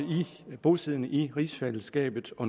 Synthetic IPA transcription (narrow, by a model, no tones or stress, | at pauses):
ib̥o̝sið̰ˠnʔiʁḭːsfeləsɡ̥ɛ̰ːb̥ð̩ˠɒ̽n